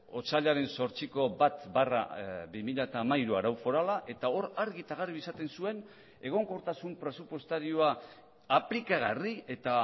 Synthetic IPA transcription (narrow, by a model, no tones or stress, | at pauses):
o̞t͡saʎaɾe̞nso̞ɾt͡siko̞bat̪bara̰bimiʎat̪aːmaiɾuaɾawfo̞ɾalaʔe̞t̪ao̞ɾaɾɣit̪aɣ̞ariisat̪e̞nsue̞n | e̞ɣ̞o̞ŋko̞ɾt̪asumpɾe̞supwo̞st̪aɾioaː | plikaɣ̞arie̞t̪a